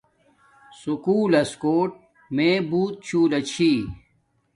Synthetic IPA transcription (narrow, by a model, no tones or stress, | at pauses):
sukuːlɐskoːʈ̚ | mẽːbuːt̪̚t͡ɕʰuːlɐt͡ɕʰiː